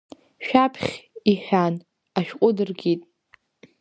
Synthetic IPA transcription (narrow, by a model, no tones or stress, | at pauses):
ʃᶣapʰχʲiħʷᶣan | aʃᶣqʷʼʊdɨrɡʲitʼ